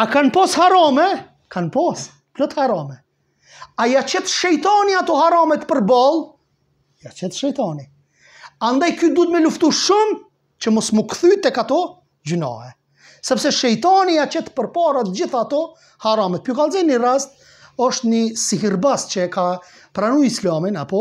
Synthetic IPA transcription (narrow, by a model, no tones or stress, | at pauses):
akanpɔshaɾɔmɛ | kʰanpɔs | plɔt̪haɾɔmɛ | ajat͡ɕɛt̪ʃɛjt̪ɔniat̪ɔhaɾamɛt̪pəɾbalˠ | jat͡ʃɛt̪ʃɛjt̪ani | and̪ajkyd̪ut̪mɛluft̪uʃum | t͡ʃəmɔsmukθyt̪ɛkat̪ɔ | d͡ʑynɔ̰hɛ | sɛpsɛʃɛjt̪aniat͡ɕɛt̪pəɾpaɾat̪əd͡ʑiθaːt̪ɔ | haɾamɛt̪̚pjukalˠzɛnirast̪̚ | ɔʃt̪nisihiɾbast͡ɕəka | pɾanujislaminapɔ